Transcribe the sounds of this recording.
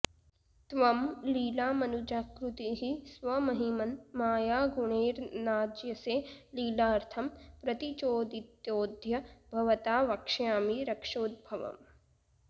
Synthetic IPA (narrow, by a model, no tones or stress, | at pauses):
t̪ʋɐmliːlaːmɐnud͡ʒaːkɾut̪iɦisʋɐmɐɦimɐnmaːjaːɡuɳeːɾnaːd͡ʒjɐseːliːlaːɾt̪ʰɐmpɾɐt̪it͡ʃoːd̪it̪joːd̪ʱjɐbʱɐʋɐt̪aːʋɐkʂjaːmiɾɐkʂoːd̪̚bʱɐʋɐ̰m